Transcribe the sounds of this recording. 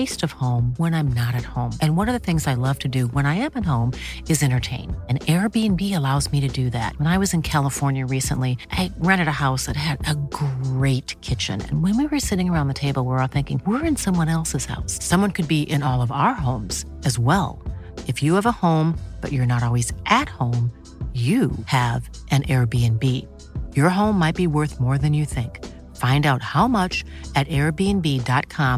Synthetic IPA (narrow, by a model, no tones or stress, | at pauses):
eɪstʌv̥hõʊ̃mwə̃ñãɪ̃mnəɾɨt̚hõʊ̃mɨ̃nwʌɾʌvðɨθɪ̃ŋzaɪlʌv̥tʰɨdɨwə̃ɾ̃aɪɨ̃mɨt̚hõʊ̃mɨzɛ̃ɾ̃ə˞tʰẽɪ̃nɨ̃nɛɹbiɨ̃nbiɨlaʊzmiɾɨdɨðæ̰t̚wə̃naɪwʌzɨ̃nkʰælˠəfɔɹnjɨɹisə̰̃nliʔaɪɹæ̃ɾ̃ɨɾɨhaʊsðɨt̚ɦɨɾɨɡɹeɪt̚kʰɪt͡ʃɨ̰̃nɨ̰̃nwɨ̃nwiwə˞sɪɾɪ̃ŋə˞ãʊ̃nðɨtʰeɪbl̩ˠwə˞θɪ̃ŋkɪ̃ŋwɪɹɨ̃nsʌ̃mwʌ̃nɛlˠsɨz̥ha̰ʊsːʌ̃mwʌ̃nkʰɨd̚biʔɪ̃nɔlˠʌvaʊə˞ɦõʊ̃mz̥ | ɨzwɛlˠ | ɨfjɨːvəhõʊ̃mb̥ʌ̰t͡ʃə˞nəɾɔlˠwizʔɨt̚hõʊ̃m | jɨɨv | ʔɨ̃nʔɛɹbiɨ̃nbi | jə˞ɦõʊ̃mːaɪt̚b̥iwɜ˞θmɔɹðɨ̃njɨθɪ̃ŋk | fãɪ̃ndaʊt̚haʊmʌt͡ʃɨɾɛɹbiɨ̃nbidɑt̚kʰɑ̃m